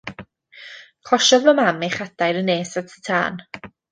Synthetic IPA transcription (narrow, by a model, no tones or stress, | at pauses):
kʰlˠɔʃɔvɔmameχad̥ajɾəneːsatʰə̥tʰa̰ːn